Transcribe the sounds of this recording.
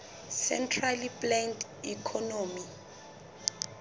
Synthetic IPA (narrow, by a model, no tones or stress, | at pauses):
sɛ̰ntʰraliplɛndikʰɔnomi